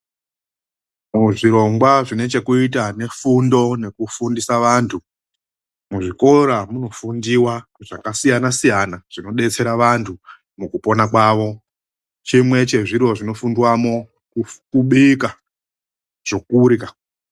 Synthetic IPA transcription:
muʐiɾo̞ŋɡwaʐine̞t͡ʃe̞kuit̬ane̞fundo̞ne̞kufundisaʋaːntʰu | muʐiko̞ɾamuno̞fundiwaʐakasijanasijanaʐ̥ino̞ɗe̞t͡se̞ɾaʋantʰu | mukupo̞nakwaʋo̞ | t͡ʃimwe̞t͡ʃe̞ʐirwo̞ʐino̞fundiwamo̞ | kukuɓika | ʐ̥o̞kuɾika

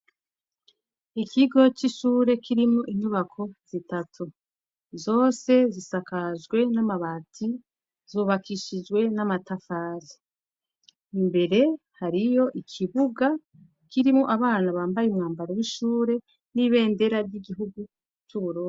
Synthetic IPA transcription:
ikʰiɡo̞t͡ʃiʃuːɾe̞kiɾimoʔiɲuβakʰo̞z̥itatʰu | zo̞ːse̞zisakazɡwe̞namaβatʰi | zuːβakiʃid͡ʒɡwe̞namatafaːzi̥ | imbe̞ɾe̞ | haɾijo̞ʔikʰiβuɡa | kiɾimoʔaβaːnaβaːmbajemŋaːmbaɾowiʃuːɾe̞ | niβe̞ːnde̞ɾaɾɟiɡiɦuɡu | t͡ʃuβuɾoː

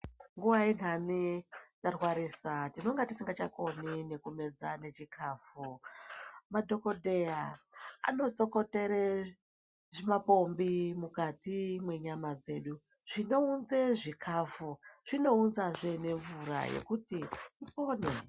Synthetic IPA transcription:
ŋɡuʋain̤anit͡ʃarwaɾisatino̞ŋɡatisiŋɡat͡ʃako̞nine̞kume̞d͡zane̞t͡ʃikʰaːfu | madʱo̞kodʱe̞jaa̰no̞t͡so̞ko̞te̞ɾe | ʐimapo̞mbimukatimwe̞ɲamad͡ze̞ɗu | ʐ̥ino̞unzeʐikʰaːfuʐ̥ino̞unzaʐene̞ɱvuɾa̰je̞̰kutiipo̞ːne

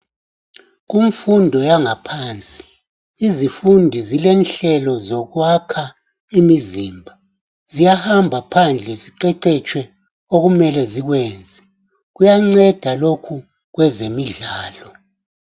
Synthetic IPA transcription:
ɣuɱfundʱɔjaŋapʰaːnt͡sʼi̥ | izifundʱizilɛnɬɛlɔzɔɣwakʰa | imiziːmbʱa | zijahambʱapʰand͡ɮʱɛziǃɛǃɛt͡ʃʼʰwɛ | oɣumɛlɛziɣwɛːnd͡zʱɛ | ɣujaŋ͡ǀɛd̥ʱalokʰu | ɣwɛzemiɮaːlɔ

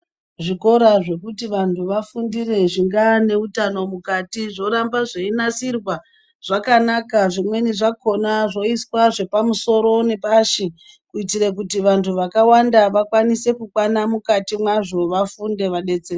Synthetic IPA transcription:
ʐiko̞ɾaʐe̞kutiʋantuʋafundire̞ʐiŋɡane̞utano̞mukatiʐo̞ɾambaʐeinasirwa | ʐ̥akanakaʐimwe̞niʐako̞naʐo̞iswaʐe̞pamuso̞ɾo̞ne̞paʃi | kuitiɾek̬utiʋantʰuʋakawandaʋakwanise̞kukwanamukatimwaʐo̞ʋafunde̞ʋaɗe̞t͡se

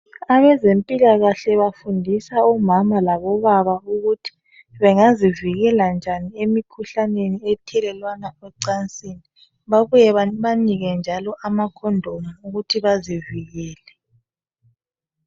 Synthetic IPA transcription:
aβɛzempʼilaɣaɬɛβafundʱisaɔmamalaβɔβaβauɣutʰi̥ | βɛŋaziviɣɛland͡ʒʱaniemikʰuɬaneniɛtʰɛlɛlwanawɛǀant͡sʼini | βaβujɛβaniɣɛnd͡ʒʱalɔʔamakʰɔndʱɔŋauɣutʰiβaziviɣɛːlɛ

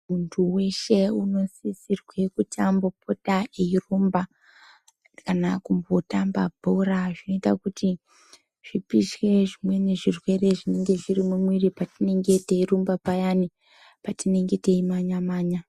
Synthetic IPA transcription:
muntʰuwe̞ʃe̞uno̞sisirwe̞kutambo̞pʰo̞taʔeirumba | kanakumbo̞tamba̰bʱoɾaʐino̞itakuti | ʐ̥ipiʃwe̞ʐimwe̞ne̞ʐirwe̞re̞ʐine̞ŋɡe̞ʐirimumwiripatine̞ŋɡe̞te̞iɾumbapajani | patine̞ŋɡe̞te̞imaɲamaːɲa

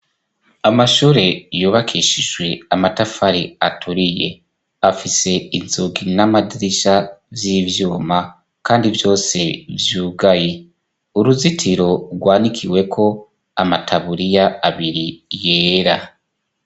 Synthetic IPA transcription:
amaʃuːɾe̞juːβakʰiʃiʒwe̞amatafaɾiatʰuɾije̞ | afise̞inzuɡinamadiɾiʃavjiːvjuːma | kaːndivjo̞ːse̞vjuːɡaje | uɾuzitʰiɾo̞ɾɡwaːnikʰiwe̞kʰo̞ | amatʰaβuɾijaːβiɾije̞ːɾa

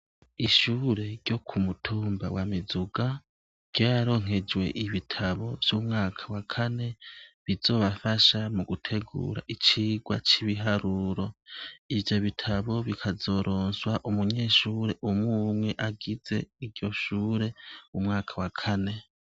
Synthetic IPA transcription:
iʃuːɾe̞ɾjo̞kʰumutʰuːmba̰wamizuɡa | ɟ̥jaɾo̞ːŋ̥e̞d͡ʒwe̞̰ʔiβitʰaβo̞v̥juːmŋaːkʰawakʰane̞βizo̞ːβafaʃamuɡutʰe̞ɡṵːɾa̰ʔit͡ʃiːɡwat͡ʃiβiɦaɾuːɾo̞ivjo̞βitʰaβo̞βikʰazo̞ɾʔo̞ːnswaʔumuɲe̞ːʃuːɾe̞ʔumŋuːmwe̞ʔaɡize̞iɾjo̞ʃuːɾe̞umŋaːkʰawakʰane̞

